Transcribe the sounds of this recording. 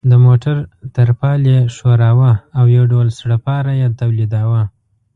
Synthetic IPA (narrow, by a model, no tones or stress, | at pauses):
d̪əmoʈaɾt̪əɾpɑleʃoɾɑwaːwjawɖawlsɽəpɑɾajet̪awlid̪ɑwə